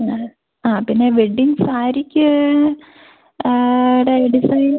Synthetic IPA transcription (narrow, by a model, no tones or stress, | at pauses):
aːpinːeʋiɖiŋsaːɾikʲːɨ | iɽeɖisɐjn